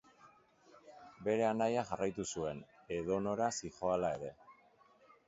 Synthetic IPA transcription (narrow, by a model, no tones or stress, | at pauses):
be̞ɾe̞anajaʝarajt̪usue̞ne̞ðo̞no̞ɾasixo̞alae̞ɾe̞